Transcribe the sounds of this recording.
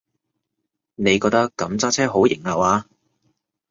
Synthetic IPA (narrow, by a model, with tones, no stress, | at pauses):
ne˨˧jkɔː˧t̪ɐ˥kːɐ˨˥mt͡saː˥t͡sʰɛː˥ɦo˨˥wjɪ˨˩ŋɐ˨waː˧